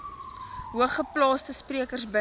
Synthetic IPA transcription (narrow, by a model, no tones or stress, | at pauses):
ɦuəχəplɑːstəspriəkərsbə